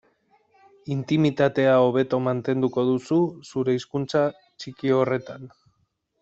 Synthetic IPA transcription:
int̪imit̪at̪e̞ao̞β̞e̞t̪o̞mant̪e̞nd̪uko̞ðususuɾe̞iskunt͡sa | t͡ʃikio̞re̞t̪an

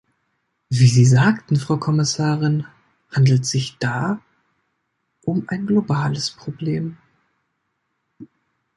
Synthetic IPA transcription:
viːziːzaːktn̩fʁ̥aʊkʰɔmɪsaːʁɪn | handl̩tz̥ɪçd̥aː | ʔʊmʔaɪnɡlobaːləspʁ̥obleːm

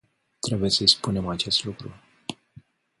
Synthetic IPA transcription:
t̪ɾe̞buje̞səispune̞mat͡ʃe̞st̪lukɾṵ

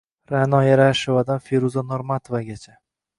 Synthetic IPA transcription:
ɾanɒjaɾaʃovad̪anfeɾuzanoɾmat̪ʰovaɡʲat͡ʃʰa

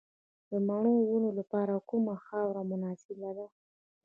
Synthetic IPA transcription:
d̪əmaɳowunolapɑɾakumaxɑwɾamʊnɑsɪlad̪a

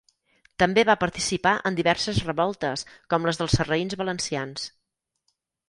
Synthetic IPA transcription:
t̪əmbeβapəɾt̪isipaʔənd̪iβɛɾsəzrəβɔlˠt̪əskɔmləzðəlˠsərəinzβələnsians

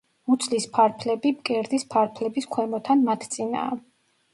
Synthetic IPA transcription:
mut̪sʰlispʰaɾpʰlɛbibkʼɛɾd̪ispʰaɾpʰlɛbiskʰwɛmɔt̪ʰanmat̪ʰt̪sʼina̰ː

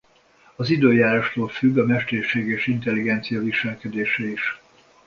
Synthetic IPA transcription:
ɒzid̪øːjaːɾaʃt̪oːlfyɡːɒmɛʃt̪erʃeːɡeːʃint̪ɛlːiɡɛnt̪sijɒviʃɛlkɛd̪eːʃɛiʃ

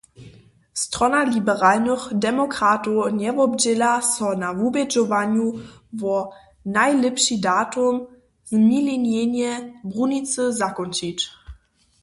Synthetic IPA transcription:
stʁ̥ɔnalibəʁaːlnəχdɛmɔkʁatɔnɛvɔbd͡ʑɛlasɔnavubɛd͡ʒɔvanjuvɔ | najlɛpʃidaːtʊm | zmilinjenjɛbʁunit͡səzakɔnt͡ʃit

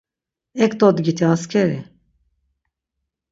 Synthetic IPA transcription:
ɛkt̪ot̪ɡit̪iɑːskʰɛɾɛ

